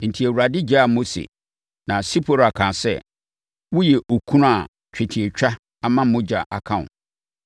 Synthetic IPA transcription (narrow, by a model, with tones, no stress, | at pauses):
n̩˨tʰi˨æ˨wu˨ɾa˨dɪ˦d͡ʑa˦a˨mo˦sḛ˨ | nã˨si˦pʰo˨ɾa˨kʰãː˨sɛ̰˦ | wʊ˦jɛ˨ʔo˨kʰũ˦a˨ | t͡ɕᶣɪ˨tʰi˨e˨t͡ɕᶣa˦ | a˦mã˦m̩˦mʊ̃˦d͡ʑa̰˨ʔa˨kʰã˦˨ʊ̰̃˨